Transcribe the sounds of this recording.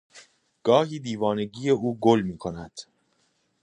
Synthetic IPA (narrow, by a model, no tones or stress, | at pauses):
ɡ̥ɒːɦiːd̪iːvɒːne̞ɟiːje̞ʔuːɡolmiːkʰo̞næd̪̥